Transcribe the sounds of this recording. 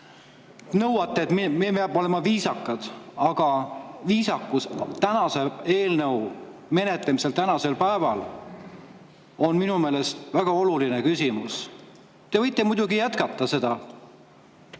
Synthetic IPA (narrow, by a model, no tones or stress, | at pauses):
nɤwɑt̪ːˑeːt̪mimepeɑb̥o̞le̞mɑviːsɑkːɑd̪̥ɑɡ̥ɑviːsɑkːust̪ænɑse̞e̞ːlnɤw | me̞ne̞t̪lemise̞lt̪ænɑse̞lpæevɑl | o̞nminumeːle̞st̪væɡ̥ɑo̞lulinekysʲimus | t̪e̞vɤ̞jt̪ˑːe̞mujd̪̥uɡijæt̪kɑt̪ˑːɑse̞d̪̥ɑ